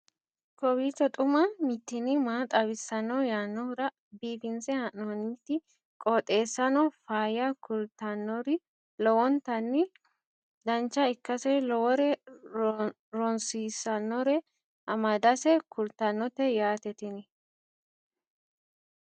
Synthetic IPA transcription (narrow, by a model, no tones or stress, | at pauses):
kɔwiːt̪ɔt̪ʼʊmɐmɪt̪ːɪnɪmaːt̪ʼɐβɪsːɐnːɔjaːnːɔɾɐ | biːfɪnsɛhɐʔɔniːt̪ːɪ | kʼɔt̪ʼe̞ːsːɐnɔfaːjɐkʊlt̪ɐnːɔɾɪ | lɔwɔnt̪ɐnːɪ | d̪ɐnt͡ʃːɐɪkːɐsɛlɔwɔɾɛ | ɾɔnsiːsɐnːɔɾɛ | ʔɐmɐd̪ɐsɛkʊlt̪ɐnːɔt̪ːɛjaːt̪ɛt̪ɪnɪ